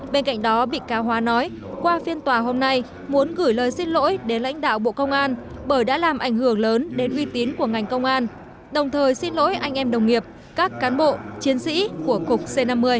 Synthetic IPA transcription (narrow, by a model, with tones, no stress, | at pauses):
ɓe˧nka̰˧˨ŋ̟ɗɔ˨˦ɓḭ˧˨kaː˨˧˦wɦwaː˨˦nɔ˨˦j | kwaː˧fi˧ənt̪waː˨˩ɦo˧mna˧j | mu˨˦ənɣɨ˧˩jləː˨˩jsi˧nlo̰˧˥jɗe˨˦nla̰˧˥jŋ̟ɗa̰ː˧˨wɓo̰˧˨kə˧wŋ͡mʔaː˧nɓəː˧˩jɗa̰ː˧˥laː˨˩mʔa˧˩jŋ̟hɨ˧˩əŋləː˨˦nɗe˨˦nʔwi˧t̪i˨˦ənku˧˩əŋa˨˩jŋ̟kə˧wŋ͡mʔaː˧n | ɗə˨˩wŋ͡mt̪ʰəː˨˩jsi˧nlo̰˧˥jʔa˧jŋ̟ʔɛ˧mɗə˨˩wŋ͡mŋi˨˩əp̚ | kaː˦˥kːaː˨˦nɓo̰˧˨t͡ɕi˨˦ənsḭ˧˥ku˧˩əkʊ˨˩k͡p̚se˧na˧mːɨ˧əj